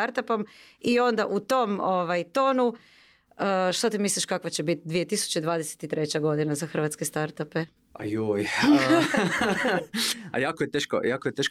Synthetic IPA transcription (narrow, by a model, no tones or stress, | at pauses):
aɾt̪apom | io̞nd̪aʔut̪o̞moʋajt̪o̞ːnu | əʃt̪ot̪imislʲˠiʃkakʋat͡ɕebit̪̚d̪ʋije̞t̪isu̥t͡ɕed̪ʋaːd̪ese̥t̪it̪ɾe̞t͡ɕaɡo̞d̪inazaxɾr̩ʋat̪skest̪aɾt̪ape | a̰joj | a̰jaːkojet̪eːʃko̰jaːkojet̪eʃko